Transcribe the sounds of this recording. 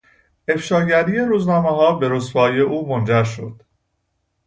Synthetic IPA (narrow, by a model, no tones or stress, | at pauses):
e̞fʃɒːɟæɾije̞ɾuːznɒːmeɦɒːbe̞ɾosfɒːjeʔuːmond͡ʒæɾʃod̪̥